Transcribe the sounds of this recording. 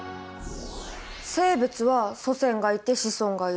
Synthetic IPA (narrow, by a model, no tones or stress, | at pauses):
se̞ːbet͡sɨβaso̞sẽ̞ŋɡait̪e̞ɕisõ̞ŋɡai